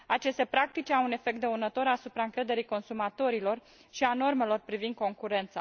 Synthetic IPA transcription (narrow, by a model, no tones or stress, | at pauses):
at͡ʃe̞st̪e̞pɾak̚t̪it͡ʃʲawune̞fe̞k̚t̪d̪eunət̪o̞ɾasupɾaɨŋkɾe̞d̪e̞ɾijko̞nsumat̪o̞ɾilo̞r | ʃiano̞rme̞lo̞rpɾivind̪̚ko̞ŋkuɾe̞nt̪sa